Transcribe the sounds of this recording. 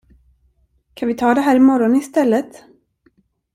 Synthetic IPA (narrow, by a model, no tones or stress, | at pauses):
kʰanvɪt̪ʰɑːd̪ɛɦæːɾɪmɔɾɔnɪst̪ɛlːət̪